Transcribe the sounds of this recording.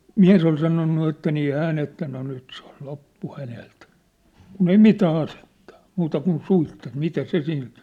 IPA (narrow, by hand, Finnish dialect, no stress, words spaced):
miæ̝s ol sɑnonːu etːæ niː hæːn etːæ no nyt se ol lopːu hænelt kun ei mitæː ɑsetːɑ̥ o̥ muːtɑ kun suitːet mitæ se sil